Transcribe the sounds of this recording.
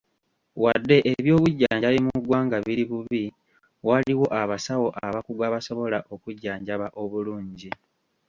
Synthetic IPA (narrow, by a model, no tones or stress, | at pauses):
wadːe̞ʔeβjo̞ːβuɟːaːɲalimuɡwaːŋɡaβiɾiβuβi | waliwo̞ʔaβasawo̞ʔaβakuɡaβaso̞βo̞laʔo̞kuɟːaːɲɟaβaʔo̞βuluːɲɟi